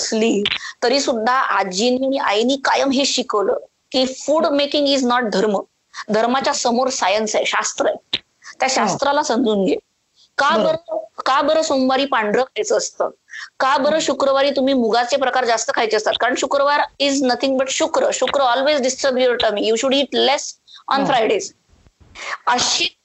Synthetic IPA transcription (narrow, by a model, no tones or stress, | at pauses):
əsliːt̪əɾiːsud̪ʱːaʔad͡ʑiniːaiʔa̰jniːkajəmɦeɕikəʋləː | kiːfuːɽmekĩŋɡiznɔʈ̚d̪ʱəɾmə | d̪ʱəɾmat͡ɕjasəmoɾsajənsajɕast̪ɾəe | t̪jaɕast̪ɾalasənd͡zuːnɡe | kabəɾəkabəɾəːsomʋaɾiːpãɳɖɾəkʰajt͡səːst̪ə̰ːkabəɾəːɕukɾəʋaɾiːt̪um̤iːmuɡat͡sepɾəkaɾd͡zast̪əkʰajt͡seəst̪at̪kaɾəɳɕukɾəʋaɾid͡znət̪ʰĩŋɡ̚bəʈɕukɾəɕukɾəɔlʋezɖisʈɾəbjuɾʈəmiːjuɕuɽiʈlesɔnfɾajɖez | əɕiː